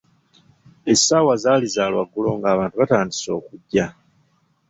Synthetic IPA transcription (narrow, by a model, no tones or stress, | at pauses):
e̞saːwazaːlizaːlwaɡːulo̞ŋɡaːβaːntuβataːndiso̞ːkuɟːa